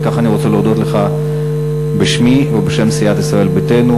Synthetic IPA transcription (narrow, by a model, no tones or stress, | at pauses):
kaχaniʁo̞t͡seleod̪o̞t̪leχa | beʃmivebeʃe̞msijat̪isʁae̞lbetenu